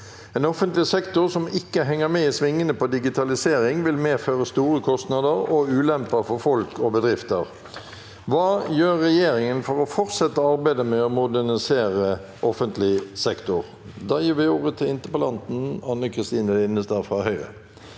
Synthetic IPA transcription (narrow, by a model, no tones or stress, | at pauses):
ɛːnɔfənt̪lɪsɛkt̪ʊʁsɔmɪkːəɦɛŋːəmɛisʋɪŋːənəpʰɔd̪ɪɡɪt̪ʰɑlɪseːɾɪŋʋɪlmeːføːʁəst̪uːɾəkʰɔst̪nɑd̪əɾɔʉːlɛmpɑfɔɾfɔlkʰɔbəd̪ʁɪft̪əɾ | ʋɑːjøːɾːɛjeːɾɪŋənfɔɾɔfɔɾt̪sɛt̪ːəɑɾbæɪd̪əmɛɔmʊd̪æʁnɪseːɾə | ʔɔfənt̪lɪsɛkt̪ʊɾ | d̪ɑjiːʋɪuːʁət̪ʰɪlɪnt̪əpɔlɑnt̪n̩ɑnːəkʰʁɪst̪iːnəlɪnəst̪ɑfʁɑhœʏʁə̰